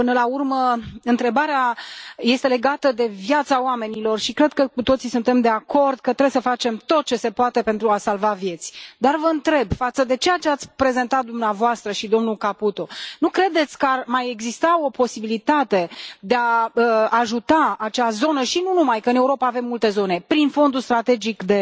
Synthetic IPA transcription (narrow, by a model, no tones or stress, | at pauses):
pɨnəlaurməɨnt̪ɾe̞baɾeaje̞st̪e̞le̞ɡat̪əd̪e̞vjat̪saoame̞nilo̞rʃikɾe̞d̪̚kəkut̪o̞t̪sisunt̪e̞md̪e̞ako̞rd̪̚kət̪ɾebesəfat͡ʃe̞mt̪o̞t̪̚t͡ʃe̞se̞poat̪e̞pe̞nt̪ɾuasalvavje̞t̪sʲd̪arvəɨnt̪ɾe̞bfat̪səd̪e̞t͡ʃe̞jat͡ʃe̞at̪sʲpɾe̞ze̞nt̪at̪̚d̪umneavoast̪ɾəʃid̪o̞mnulkaput̪o̞nukɾe̞d̪e̞t̪sʲkəarmaje̞ɡzist̪ao̞po̞sibilit̪at̪e̞d̪e̞aəːʒut̪aat͡ʃazo̞nəʃinunumajkəɨne̞uɾo̞paːve̞mːult̪e̞zo̞ne̞pɾinfo̞nd̪ust̪ɾat̪e̞d͡ʒikd̪e̞